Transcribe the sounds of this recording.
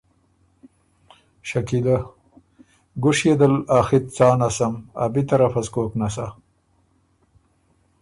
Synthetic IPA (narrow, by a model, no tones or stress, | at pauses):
ʃɐkid̪a | ɡʊʂjed̪ɐlaːxit̪̚t͡sɑːnasɐma̰bit̪ɐɾafɐzkoːknas̬a